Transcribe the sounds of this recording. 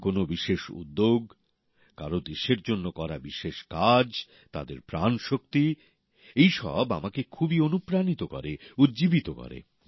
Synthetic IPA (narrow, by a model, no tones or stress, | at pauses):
konobiʃeʃṵd̪ːoɡ | ka̰ɾod̪eʃeɾd͡ʑonːokɔɾabiʃeʃkad͡ʑ | t̪a̰d̪eɾpɾanʃok̚t̪i | ejʃɔ̰bamakekʰubionupɾanit̪okɔ̰ɾeud̪d͡ʑibit̪okɔ̰ɾḛ